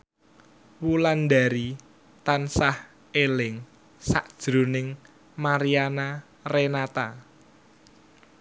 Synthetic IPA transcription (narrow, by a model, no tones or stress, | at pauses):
wulandaɾi | t̪ansah | elɪŋ | sa̰ʔd̥ʒ̥ɾṳnɪŋ | maɾiana | renat̪a